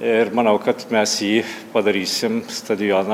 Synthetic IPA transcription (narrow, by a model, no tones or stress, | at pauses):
ɪɾmɐnɐʊkɐt̪mʲæsjiːpɐd̪ɐɾʲiːsʲɪmst̪ɐd̪ʲɪjoːnɐ